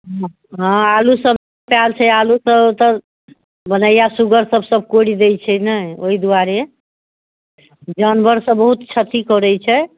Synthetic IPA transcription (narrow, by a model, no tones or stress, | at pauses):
ɦ | ɦɔ̃alusəb | ppjalt͡ʃʰɛalusəbt̪ɔ | bənəjjasuɡəɾsəbʱsəbʱkoɽid̪ejt͡ʃʰɛnəoɦid̪uaɾe | d͡ʒənbʱəɾsə̃bəɦut̪t͡ʃʰət̪ikɔɾəjt͡ʃʰɛ